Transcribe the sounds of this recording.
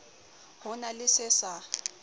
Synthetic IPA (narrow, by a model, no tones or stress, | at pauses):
hʊnalɪsɪsa